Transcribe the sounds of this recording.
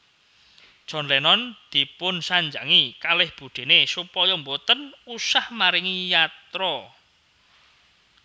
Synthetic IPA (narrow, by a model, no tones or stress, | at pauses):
d̥ʒ̥ɔ̤nlɛnɔnd̪̥i̤pʊnsaɲd͡ʒaŋikalɪhb̥ṳɖ̪̥e̤nesupɔjɔmbot̪ənusahmaɾɪŋijat̪ɾɔ